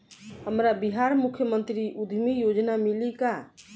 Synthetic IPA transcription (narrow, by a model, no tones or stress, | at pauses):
ɦəmɾabiɦaɾmukʰjəmənt̪ɾiʔud̪ʱmijod͡ʒnamilika